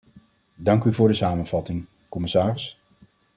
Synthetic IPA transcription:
dɑŋkyvʊːɹdəsaːmənv̥ɑtɪŋ | kɔmɪsaːrɪs

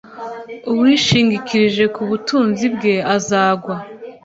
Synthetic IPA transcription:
uwiːʃiːŋɡikʰiɾiʒe̞kuβutuːnzibɡe̞azaːɡwa

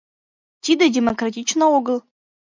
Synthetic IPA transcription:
tʰidadʲemokratʲit͡ʃʰnawʊɡɨl

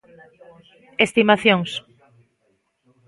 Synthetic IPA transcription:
est̪imaθjoŋs

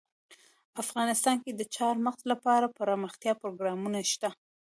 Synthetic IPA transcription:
afɣɑnɪst̪ɑnked̪ət͡ʃɑɾməxzlapɑɾapəɾɑməxt̪jɑpɾoɡɾɑmunaʃt̪a

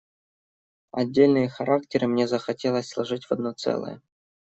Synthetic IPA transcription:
ɐ̰dʲːelʲnɨjəxɐɾʔaktʲɪɾɨmnʲezəxɐtʲelˠəsʲslˠaʐɨtʲvɐd̪not̪sɛ̰lˠə̰jə̰

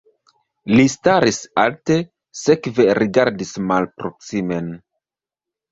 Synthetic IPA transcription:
listaɾisa̰lte̞ | se̞kve̞ɾiɡaɾdismalpɾo̞ksime̞n

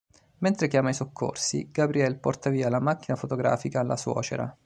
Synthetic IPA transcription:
ment̪ɾekjaːmaisokʰːo̰rsḭɡ̥abɾiɛlpɔrt̪aviːalamak̟ːinafot̪oɡɾa̰ːfikaːlːa̰swɔ̰ːt͡ʃḛɾa̰

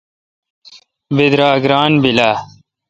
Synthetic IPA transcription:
bed̪ɾaːɡɾaːnbilaː

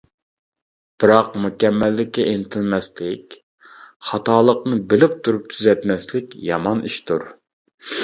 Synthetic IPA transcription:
b̥ɨɾɑqmukʲɛmːɛlːɪkʲːɛʔent̪ʰɪlmɛslɪkʲ | χɑt̪ɑːlˠəqnɨbɪlɪp̚t̪ʰuɾup̚t̪ʰyzɛt̪mɛslɪkʲjɑmɑniʃt̪ʰuɾ

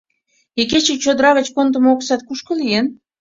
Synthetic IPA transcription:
eket͡ɕit͡ɕod̪ɾɑβet͡ɕkont̪əmoksɑt̪̚kuʃkɤ̆lijen

